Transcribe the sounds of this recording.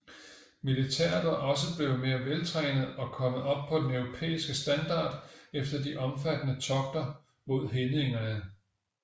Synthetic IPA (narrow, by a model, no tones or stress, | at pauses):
milit͡sʰɛɐ̰d̥ɐʔɒ̽s̬əb̥le̝ʊme̝ːɐʋelt͡sʰʁɛ̰ːnð̩ˠɒ̽kʰɒ̽məð̩ˠɒ̽b̥̚pʰɒ̽d̥enœʊʁo̝pʰḛːisɡ̥əsd̥ænd̥ɑ̈ːd̥efd̥ɐdiʔɒ̽mfæd̥ənət͡sʰɒ̽ɡ̥̚d̥ɐ | mo̝ð̞̰ˠɦeneŋɐnə